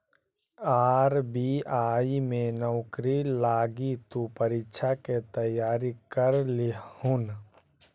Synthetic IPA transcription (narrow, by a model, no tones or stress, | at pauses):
aːɾbiaːimẽnəʊkɾilaːɡit̪upəɾɪkt͡ʃʰaket̪əjaːɾikəɾlɪun